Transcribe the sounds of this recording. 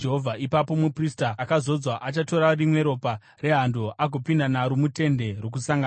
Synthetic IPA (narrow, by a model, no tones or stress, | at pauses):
d͡ʒeɦovʱaipapo̞mupristaːkazo̞d͡zwaʔat͡ʃato̞ɾarimwe̞ɾo̞pa | re̞ɦandoʔaɡʱopindanaɾomute̞nde̞rwok̬usaŋɡa